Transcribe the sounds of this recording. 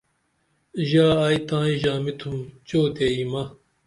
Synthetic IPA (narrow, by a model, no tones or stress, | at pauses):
ʑaːaːjt̪ãːĩʑaːmit̪ʰumt͡ɕoːt̪eːimɐ